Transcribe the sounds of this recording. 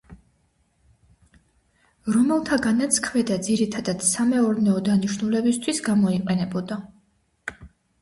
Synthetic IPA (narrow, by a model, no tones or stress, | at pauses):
ɾɔmɛlˠt̪ʰaɡanat̪sʰkʰmɛd̪ad̪ziɾit̪ʰad̪ad̪̥samɛɔɾnɛɔd̪aniʃnulɛbist̪ʰwisɡamɔiqʼɛnɛbɔd̪a